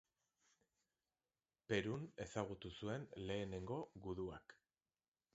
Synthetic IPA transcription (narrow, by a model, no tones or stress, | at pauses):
pe̞ɾune̞saɣ̞ut̪usue̞nle̞ːne̞ŋɡo̞ɣuðuak